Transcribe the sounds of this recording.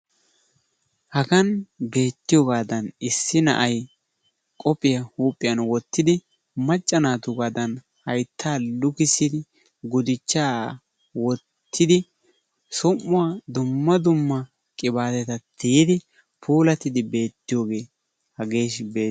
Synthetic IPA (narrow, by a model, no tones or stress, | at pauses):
hɐɡɐnbe̞ːt̪ːɪjoːɡaːd̪ɐnɪsːɪnɐ̰ʔɐj | kʼɔpʼːɪjɐhuːpʼːɪjɐnwɔt̪ːɪd̪ɪ | mɐt͡ʃʼːɐnaːt̪ʊɡaːd̪ɐn | hɐjt̪ʰːaːlʊkɪsɪd̪ɪ | ɡʊd̪ɪt͡ʃːaː | wɔ | t̪ʰːɪd̪ɪ | sʊmːʊwaːd̪ʊmːɐd̪ʊmːɐ | kʼɪbaːt̪ɛt̪ɐt̪ʰijɪd̪ɪ | pʰuːlɐt̪ɪd̪ɪbe̞ːt̪ːɪjoːɡe̞ː | hɐɡe̞ːʃbeː